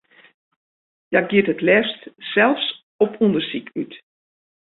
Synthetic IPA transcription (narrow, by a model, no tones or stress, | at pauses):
jaɡjɪətətlɛfstsɛlˠfs | ɔpundərsikyt